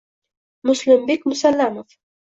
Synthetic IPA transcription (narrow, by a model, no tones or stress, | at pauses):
mʊslɪmbikmʊsalːamof